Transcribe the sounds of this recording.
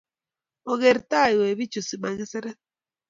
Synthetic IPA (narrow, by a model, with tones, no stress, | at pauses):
o˨ɣe˨ɾt̪a˦˨i˨we˨βi˦t͡ʃu˨si˨ma˨ŋi˦se˦ɾe˦